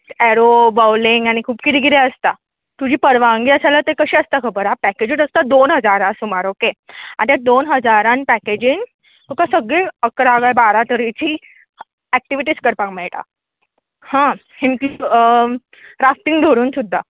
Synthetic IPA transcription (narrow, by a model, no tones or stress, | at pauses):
eɾobawliŋɡañikʰuːpkit̪iɡiɾeəst̪a | t̪ud͡ʑiːpəɾʋaŋɡiːəsalat̪ekəɕiːəst̪akʰəbəɾapɛked͡ʑiːʈəst̪ad̪onɦəd͡zaɾãsumaɾokea̰nt̪jad̪onɦəd͡zaɾanpɛked͡ʑiːŋ | t̪ukasəɡɭeəkɾaɡajbaɾat̪əɾit͡ɕiː | æk̚ʈiʋiʈiːskəɾpãkmɛɭʈa̰ | hã | hinki | ɾafʈ̪iŋɡɖʱoɽuːnsud̪ʱːa